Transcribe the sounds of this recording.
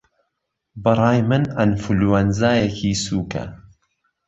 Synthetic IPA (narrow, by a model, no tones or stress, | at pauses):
bɨɾˤɑːjmɨnɐnfuluwɐnzaːjekʰiːsuːkʰɐ̰